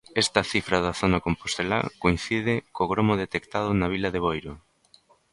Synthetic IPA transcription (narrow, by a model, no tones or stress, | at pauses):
ɛst̪ɐθifɾɐðaθonakompost̪ela̰koin̟θiðɪkoɣɾomoðet̪ekt̪að̞ʊnɐaβ̞ilɐðeβojɾʊ